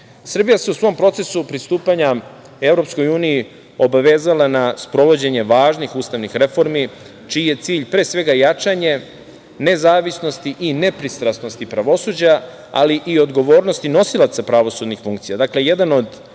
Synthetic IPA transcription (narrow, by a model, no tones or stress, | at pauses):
sr̩bijase̞usʋo̞mpɾo̞t̪se̞supɾist̪uːpaɲa | e̞vɾo̞psko̞juːnii | o̞baʋe̞ːzalanaspɾo̞ʋo̞d͡ʑe̞ɲe̞ʋaːʒnixuːst̪aʋnixɾe̞fo̞ɾmi | t͡ʃiːjet̪siːʎpɾeːsʋe̞ɡajat͡ʂaɲe̞ | ne̞zaːʋisno̞st̪iʔine̞pɾist̪ɾasno̞st̪ipɾaʋo̞suːd͡ʑa | a̰liʔio̞d̪ɡo̞ʋo̞ːɾnost̪ino̞silˠat̪sapɾaʋo̞suːd̪nixfuŋkt̪sijad̪akleje̞d̪ano̞d̪